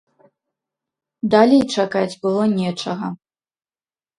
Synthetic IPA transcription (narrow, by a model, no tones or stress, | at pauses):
d̪alʲɛjt͡ʂakad͡zʲbɨlˠɔnʲɛt͡ʂɐɣɐ